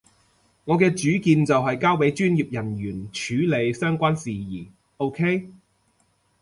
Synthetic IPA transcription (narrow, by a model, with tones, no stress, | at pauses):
ŋɔ˨˧kɛː˧t͡ʃyː˨˥kiː˧nt͡sɐ˨wɦɐ˨jkaː˥we˨˥jt͡ʃyː˥njiː˨p̚jɐ˨˩njyː˨˩nt͡ʃʰyː˨˥le˨˧jsœː˥ŋkʷaː˥nsiː˨jiː˨˩ | ʔo˥wkʰe˥j